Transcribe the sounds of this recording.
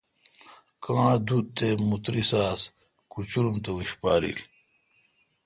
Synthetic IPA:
kãːd̪ut̪emut̪ɾisaːs | kut͡ɕuɾumt̪ɐwiɕpaːɾḭl

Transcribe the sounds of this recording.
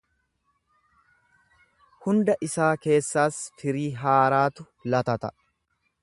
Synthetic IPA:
hʊnd̪ɐʔɪsaːke̞ːsːaːsfɪɾiːɦaːɾaːt̪ʊ | lɐt̪ɐt̪ɐ̰

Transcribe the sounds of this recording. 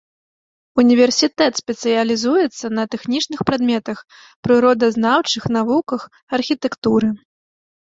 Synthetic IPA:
unʲivʲɛrsʲit̪ɛt̪sʲpʲɛt̪sɨjɐlʲizujɛt̪sːɐnɐt̪ɛxnʲit͡ʂnɨxpɾad̪mʲɛt̪ɐx | pɾɨɾɔd̪ɐznawt͡ʂɨxn̪avukɐx | ɐrxʲit̪ɛkt̪uɾɨ

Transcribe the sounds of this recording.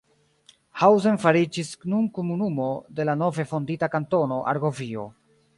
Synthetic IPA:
hawzenfaɾid͡ʒisnunkomunumo̞de̞lano̞ve̞fo̞nditakanto̞no̞ʔa̰ɾɡo̞vio̞̰

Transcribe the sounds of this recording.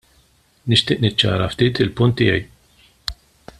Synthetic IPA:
nɪʃt̪ɪːʔnɪt͡ʃːɐ̰ːɾɐft̪iːt̪ɪlpʊnt̪ːɪːjɛj

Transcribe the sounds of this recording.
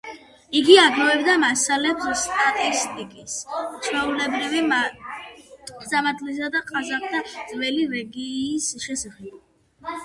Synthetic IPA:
iɡiaɡɔɛbd̪amasalɛpsst̪ʼat̪ʼist̪ʼikʼist͡ʃʰwɛulɛbɾivim | samad̪lis̬ad̪aqʼazaχd̪ʰad̪z̥vɛliɾɛɡiːsʃɛsaχɛb

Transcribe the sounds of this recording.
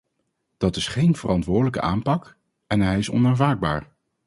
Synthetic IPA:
d̥ɑtɪsχejnvərɑntʋʊːɹdələkə̰ʔaːmpɑk | ɛnɦɛjɪsɔ̰naːnvaːɡ̚ba̰ːɹ

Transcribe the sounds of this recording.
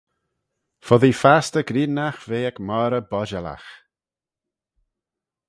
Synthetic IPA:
fɔðifast̪əɡɾiːnaxveːɛkmaːɾəbɔʒala̰x

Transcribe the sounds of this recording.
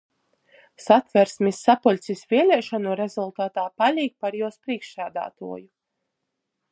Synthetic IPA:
sat̪væɾsmʲisːapɔlʲsʲisvʲiɛlʲɛːʃanuɾezulˠt̪aːt̪aːpalʲiːk̚paɾjuɔspɾiɛkʃæːd̪a̰ːt̪ṵɔju

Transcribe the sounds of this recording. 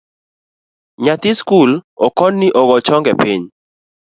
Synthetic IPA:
ɲat̪ɪskulɔkɔnːiʔɔɡɔt͡ʃɔŋɡɛpɪɲ

